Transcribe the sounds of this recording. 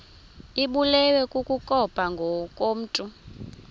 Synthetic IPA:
iɓulɛwɛkʼukʼukʼɔpʼaŋɡʱɔkʼom̩ːtʼu

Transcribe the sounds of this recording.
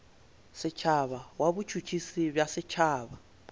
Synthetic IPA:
sɪt͡ʃʰaβawabut͡ʃʰut͡ʃʰisibjasɪt͡ʃʰaːβa

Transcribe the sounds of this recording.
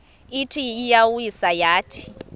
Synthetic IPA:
itʰiːjawuisajaːtʰi̥

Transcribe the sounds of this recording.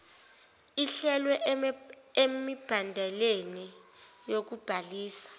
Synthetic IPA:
iɬɛlwɛ | emib̥ʱandʱɛlenijok̬ub̥ʱaliːsḁ

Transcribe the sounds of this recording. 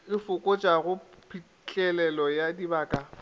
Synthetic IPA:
ɪfʊkʼɔt͡ʃʼaɣʊpʰi | t͡ɬʼɛlɛlɔjadibaːkʼa

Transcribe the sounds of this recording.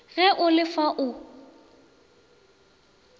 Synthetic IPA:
ɣɛʔʊlɪfaʔʊ

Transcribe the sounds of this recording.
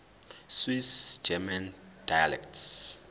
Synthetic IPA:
swisd͡ʒɛmand̥ajalɛ̰ktʰs

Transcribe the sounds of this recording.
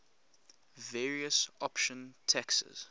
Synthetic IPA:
vɛːɹiəsɔpʃə̃ntʰɛksə̰z̥

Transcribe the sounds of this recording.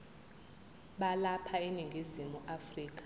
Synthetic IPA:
ɓalapʰainiŋɡʱizimuʔafriːk̬ʼḁ

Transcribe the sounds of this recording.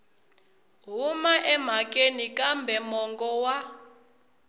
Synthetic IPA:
ɦumaʔɛm̤ak̬ʼenikambʱɛmɔŋɡɔwa

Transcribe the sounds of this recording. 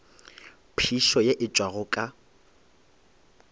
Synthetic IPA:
pʰiʃɔjeʔɪt͡ʃʼwaɣʊkʼa

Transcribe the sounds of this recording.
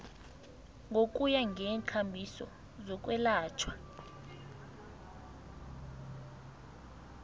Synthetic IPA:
ŋɡʱok̬ʼujaŋʱɛːnt͡ɬʰambʱisɔ̰ | zɔk̬ʼwɛlaːt͡ʃʰwḁ

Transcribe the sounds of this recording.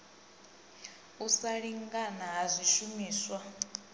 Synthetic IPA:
usaɺiŋɡanaɦazʷiʃumiːswa

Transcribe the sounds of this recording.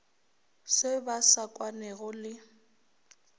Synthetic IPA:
sɪbasakʼwanɛɣʊlɪ

